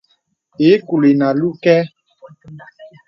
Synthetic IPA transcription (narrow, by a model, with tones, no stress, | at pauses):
e˨˦ku˨le˨na˨lu˦kɛ˦